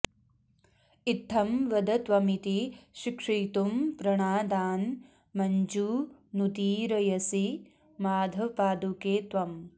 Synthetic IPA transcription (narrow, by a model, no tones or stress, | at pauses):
it̪ʰːɐmʋɐd̪ɐt̪ʋɐmit̪iʃikʂiːt̪umpɾɐɳ̃aːd̪aːn | mɐɲd͡ʒunut̪iːɾɐjɐsi | maːd̪ʱɐpaːd̪ukeːt̪ʋɐm